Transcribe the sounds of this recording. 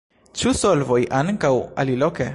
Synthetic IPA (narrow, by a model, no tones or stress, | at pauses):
t͡ʃusolvojʔaŋkawa̰liloke